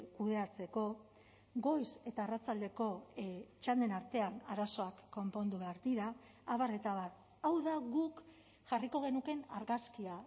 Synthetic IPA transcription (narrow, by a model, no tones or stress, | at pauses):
kuðe̞at͡se̞ko̞ | ɡo̞jse̞t̪aerat͡sald̪e̞ko̞t͡ʃald̪e̞naɾt̪e̞anaɾaso̞akːo̞mpo̞nd̪uβe̞aɾd̪iɾaː | βare̞t̪aβar | awðaɣuk | ʝariko̞ɣ̞e̞nuke̞na̰ɾɣaskia